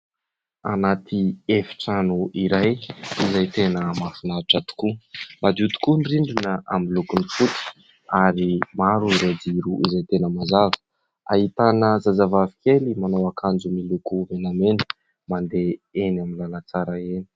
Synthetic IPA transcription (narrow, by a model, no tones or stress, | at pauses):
anat̪ʰiefi̥ʈ͡ʂanuiɾajizajt̪enəmafinaʈ͡ʂat̪u̥kumad̪ut̪u̥kunriɳɖ͡ʐunəa̰milukunifut̪i̥ | aɾimaɾuiɾad̪iɾuʔizajt̪enəmazavə̥ | a̰ɦit̪anəzazavavikelimanawakʰand͡ʒumilukuvenamenə̥ | mand̪eenaminlalat͡saɾaeni̥